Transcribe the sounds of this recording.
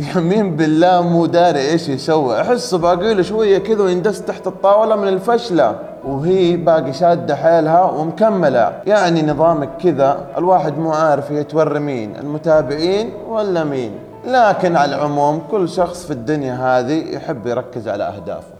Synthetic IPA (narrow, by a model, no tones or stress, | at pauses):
jamiːmbɪlːaːmuːd̪aːɾiʔeːʃjɪsawːɪʔaħɪsːbʔaɡuːluʃwajːakɪðawjɪnd̪ast̪aħt̪ɨt̪ˤːɑːwlamɪnɪlfaʃla̰ | whiːbaːɡiʃaːd̪ːaħaːlɦawɪmʊkamːala̰jaʕninɨðˤɑːmakkːɪðaʔɪ̰lwaːħɪd̪muːʕaːɾɪfiat̪wɑrːɪmiːnɪ̰lmʊt̪aːbɪʕiːn | walːamiːn | laːkɪnʕalaʕʊmuːmkʊlːʃɑxsˤfid̪ːʊnjaɦaːðijħɪbːjɾˤɑkːɪzʕa̰la̰ʔa̰hd̪a̰ːf